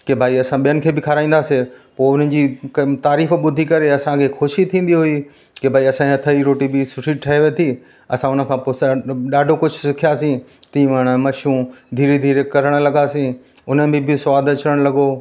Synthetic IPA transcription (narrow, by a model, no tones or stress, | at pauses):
kebʱaːiɐsãɓijənɪ̆kʰeːbɪkʰaɾaːĩːn̆d̪aːsepoːʊn̤ən̆d͡ʑiːt̪aːɾiːfɓʊd̪ʱikɐɾeɐsãkʰexʰʊʃit̪ʰĩːn̆d̪iɦʊi | kebʱaːiɐsãɐt̪ʰaiɾoːʈibɪsʊʈʰiʈʰɐeʋet̪ʰi | ɐsãʊnə̆kʰãːpoːsɗaːɖʱokʊd͡ʑʱʊsɪkʰijasĩt̪ĩːʋəɽ̃mɐʃũd̪ʱiːɾed̪ʱiːɾekɐɾəɽ̃lɐɡasĩ | ʊnəbɪ̃bʱɪsʊaːd̪ɐt͡ɕɾəɽ̃lɐɡoː